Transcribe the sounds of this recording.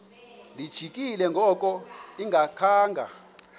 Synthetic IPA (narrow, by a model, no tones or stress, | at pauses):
lid̥ʒ̥ʱikʼilɛŋɡʱɔkʼɔiŋɡʱakʰaːŋɡʱa̰